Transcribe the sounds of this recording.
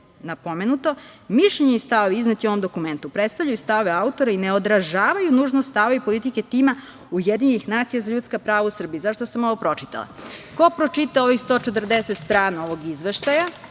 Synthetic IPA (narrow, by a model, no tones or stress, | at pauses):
napomenut̪o̞miʃʎeɲeist̪aʋoʋiiznat̪io̞ʋomd̪o̞kume̞nt̪upɾet̪st̪aʋʎajust̪aoʋeaut̪o̞ɾaineod̪ɾaʒaːʋajunuːʒnost̪aoipo̞lˠit̪ike̞t̪ima | ujed̪iɲenixnaːt̪sijazaʎut̪skapɾaːʋausr̩biizaʃt̪osamoʋopɾo̞t͡ʂi̥t̪a̰la̰kopɾot͡ʃit̪aoʋixst̪o̞ːt͡ʃet̪r̩d̪eset̪st̪ɾaːno̞ʋo̞ɡizʋeʃt̪aja